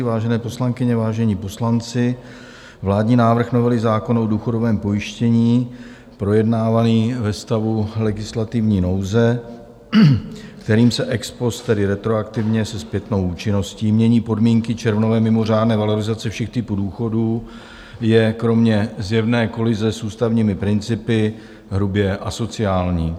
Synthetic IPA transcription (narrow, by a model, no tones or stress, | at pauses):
vaːʒɛnɛːpo̞slaŋkɪɲɛvaːʒɛɲiːpo̞slant͡sɪ | vlaːdɲiːnaːvr̩xno̞vɛlɪzaːko̞noduːxo̞do̞vɛːmpo̞jɪʃcɛɲiː | pɾo̞jɛdnaːvaniːvɛst̪avulɛɡɪslat̪ɪvɲiːno̞wzɛ | kt̪ɛɾiːmsɛʔɛkspo̞st̪t̪ɛdɪɾɛt̪ɾo̞akt̪ɪvɲɛsɛspjɛt̪no̞wuːt͡ʃɪno̞sciːmɲɛɲiːpo̞dmiːŋkɪt͡ʃɛɾvnovɛːmɪmo̞r̝aːdnɛːvalo̞ɾɪzat͡sɛfʃɛxt̪ɪpuːduːxo̞duː | jɛkɾo̞mɲɛzjɛvnɛːko̞lɪzɛsuːst̪avɲiːmɪpɾɪnt͡sɪpɪ | ɦɾubjɛʔaso̞t͡sɪaːlɲiː